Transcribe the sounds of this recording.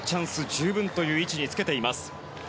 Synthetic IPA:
t͡ɕãɰ̃sɨd͡ʑɨːbɯ̟̃nt̪o̞jɯ̟ːit͡ɕiɲ̟it͡sɨ̥ke̞t̪e̞imasɨ̥

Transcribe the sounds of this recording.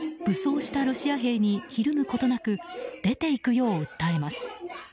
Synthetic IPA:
b̥ɯ̟so̞ːɕi̥t̪aɾo̞ɕiaɦe̞ːɲ̟içiɾɯ̟mɯ̟ko̞t̪o̞nakɯ̟d̪̥e̞t̪e̞ikɯ̟jo̞ːɯ̟t̪ːae̞masɨ̥

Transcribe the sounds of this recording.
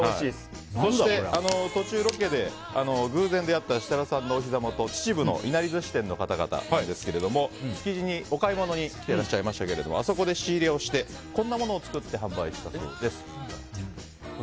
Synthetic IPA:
soɕit̪eʔano̞t̪o̞t͡ɕɨːɾo̞ke̞d̪e̞ | ano̞ɡɯ̟ːzẽ̞nd̪e̞at̪ːaɕi̥t̪aɾasãnːo̞ːçizamot̪o̞t͡ɕi̥t͡ɕibɯno̞̰ʔinaɾʲizɨɕi̥t̪ẽ̞nːo̞kat̪aɡa̰t̪a̰d̪e̞sɨ̥ke̞ɾe̞d̪o̞mo̞çi̥kʲiʑiɲ̟io̞kaimo̞no̞ɲ̟ikʲi̥t̪e̞ɾaɕːaimaɕi̥t̪ake̞ɾe̞d̪o̞̰mo̰aso̞ko̞d̪e̞ɕiːɾeo̞ɕi̥t̪e̞ | kõ̞nːamo̞no̞ːt͡sɨ̥kɯ̟t̪ːe̞ɦãmbaiɕi̥t̪aso̞̰ːd̪e̞sɨ̥

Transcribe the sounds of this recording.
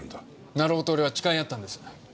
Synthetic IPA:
naɾo̞ːt̪oːɾeβat͡ɕi̥kaiat̪ːãnd̪e̞sɨ̥

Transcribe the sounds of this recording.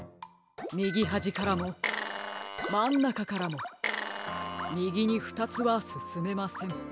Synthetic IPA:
mʲiɡʲiɦaʑikaɾamo̞ | mãnːakakaɾamo̞ | mʲiɡʲiɲ̟iɸɯ̥t̪at͡sɨβasɨsɨme̞masẽ̞ŋ

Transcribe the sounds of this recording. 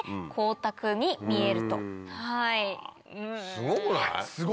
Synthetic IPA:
kʰo̞ːt̪akɯ̟ɲimʲie̞ɾɯ̟t̪o̞̰hai | ɯ̟̃ɴsɡola̰sɨɡ

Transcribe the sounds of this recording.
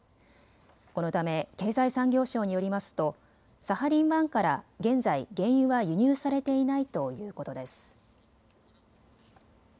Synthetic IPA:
ko̞no̞t̪ame̞ke̞ːzaisãŋɡʲo̞ːɕo̞ːɲ̟ijo̞ɾʲimasɨ̥t̪o̞ | sahaɾʲĩɰβãŋkaɾaɡẽ̞nzaiɡẽ̞ɰ̃jɯβajɯ̟ɲ̟ʲɨːsaɾe̞t̪e̞inait̪o̞jɯ̟ːko̞t̪o̞d̪e̞sɨ̥

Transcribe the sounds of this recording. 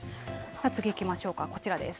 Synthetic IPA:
at͡sɨɡʲiːkʲimaɕo̞ːkako̞t͡ɕiɾad̪e̞̰sɨ̥

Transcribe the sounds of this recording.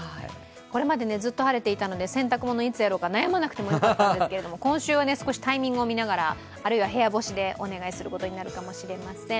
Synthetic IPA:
haḭ | ko̞ɾe̞mad̪e̞ne̞zɨt̪ːo̞haɾe̞t̪e̞it̪ano̞d̪e̞sẽ̞nt̪akɯ̟mo̞no̞it͡sɨjaɾo̞ːkanajamanakɯ̟̥t̪e̞mo̞jaat̪ːandekeɾe̞d̪o̞mo̞kõ̞ɰ̃ɕɨːβane̞sɨ̥ko̞ɕi̥t̪aimʲĩŋɡɯo̞minaɡaɾaː | ɾɯ̟iβaɦe̞jabo̞ɕid̪e̞ʔo̞ne̞ɡaisɨɾɯ̟ko̞t̪o̞ɲ̟inaɾɯ̟kamo̞ɕiɾe̞masẽ̞

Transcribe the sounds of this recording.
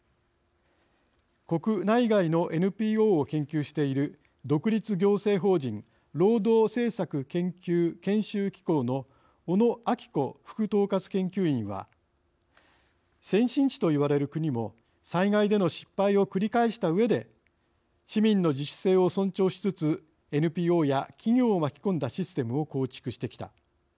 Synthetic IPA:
ko̞kɯ̟naiɡaino̞ʔe̞nɯ̟pʲiːo̞ːokẽ̞ŋkʲɨːɕi̥t̪e̞iɾɯ̟ | d̪o̞kɯ̟ɾʲit͡sɨɡʲo̞ːse̞ːɦo̞ːd͡ʑĩŋ | ɾo̞ːd̪o̞ːse̞ːsakɯ̟kẽ̞ŋkʲɨːkẽ̞ɰ̃ɕɨːkʲi̥ko̞ːno̞ː | no̞akʲi̥ko̞ɸɯ̟̥kɯ̟t̪o̞ːkat͡sɨ̥kẽ̞ŋkʲɨːĩɰ̃βa̰ | sẽ̞ɰ̃ɕĩɲt͡ɕi̥t̪o̞iβaɾe̞ɾɯ̟kɯ̟ɲ̟imo̞ | saiŋaid̪e̞no̞ɕi̥pːaio̞kɯ̟ɾʲikaiɕi̥t̪aɯ̟e̞d̪e̞ | ɕimʲĩnːo̞d͡ʑiɕse̞ːo̞sõ̞ɲt͡ɕo̞ːɕi̥t͡sɨt͡sɨ | e̞nɯ̟pʲiːo̞ːjakʲiɲʲo̞ːmakʲi̥kõ̞nd̪aɕisɨ̥t̪e̞mɯ̟o̞ko̞ːt͡ɕi̥kɯ̟ɕi̥t̪e̞kʲi̥t̪a̰

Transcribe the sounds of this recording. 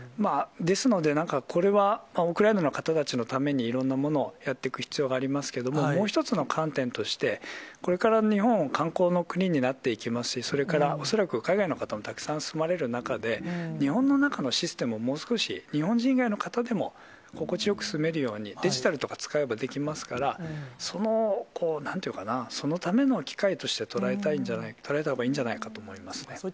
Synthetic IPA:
mad̪e̞sɨno̞d̪e̞nãŋkakʰo̞ɾe̞βamaɯ̟kɯ̟ɾainano̞kat̪at̪at͡ɕinot̪ame̞ɲ̟iːɾõ̞nːamo̞no̞jat̪ːe̞kɯ̟çi̥t͡sɨjo̞ːɡaːɾʲimasɨ̥ke̞d̪o̞mo̞mo̞ːç̬i̥t̪o̞t͡sɨno̞kʰãnt̪ẽ̞nt̪o̞ɕi̥t̪e̞ko̞ɾe̞kaɾaɲ̟ihõ̞ŋkãŋko̞ːno̞kɯ̟ɲ̟iɲ̟inat̪ːe̞ikʲimasɨ̥ɕiso̞ɾe̞kaɾao̞so̞ɾakɯ̟kaiɡaino̞kat̪amo̞t̪akɯ̥sãɰ̃sɨmaɾe̞ɾɯ̟nakad̪e̞ɲ̟ihõ̞nːo̞nakano̞ɕisɨ̥t̪e̞mɯ̟omo̞ːsɨ̥ko̞ɕḭɲ̟ihõ̞ɲ̟d͡ʑĩŋɡaino̞kat̪ad̪e̞mo̞ | ko̞ko̞t͡ɕijo̞kɯ̟̥sɨme̞ɾɯ̟jo̞ːɲ̟id̪e̞ʑit̪aɾɯ̟t̪o̞kḁt͡sɨ̥kaebad̪e̞kʲimasɨ̥kaɾaso̞no̞kʰo̞ːnãnt̪eiɯ̟kanaso̞no̞t̪ame̞no̞kʲi̥kait̪o̞ɕi̥t̪e̞t̪o̞ɾae̞t̪aĩɲ̟d͡ʑanait̪o̞ɾae̞t̪ahoɡaĩːɲ̟d͡ʑanaikat̪o̞ːmo̞imasɨ̥ne̞

